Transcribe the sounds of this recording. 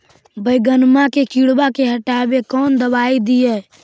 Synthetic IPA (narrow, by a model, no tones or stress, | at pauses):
bəɪɡənmãkekiɽbakeɦəʈaːbekɔːnd̪əbaːid̪ijɛ